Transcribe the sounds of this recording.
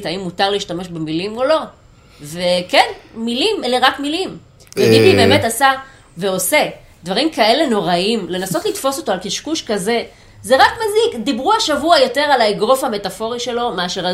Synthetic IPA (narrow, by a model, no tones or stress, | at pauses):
taimːutaʁliiʃtame̞ʃbemilimo̞lo̞ | ve̞kenmilimeleʁakmilim | vebibibe̞ːme̞tasa | veo̞se̞ | d̥̪vaʁimkae̞le̞no̞ʁaimle̞naso̞tlitfo̞so̞to̞alkiʃkuʃkaze̞ | ze̞ʁakmazikd̪ibʁuaʃavuajo̞te̞ʁalaiɡʁo̞fhame̞tafo̞ʁiʃe̞lo̞meaʃeʁa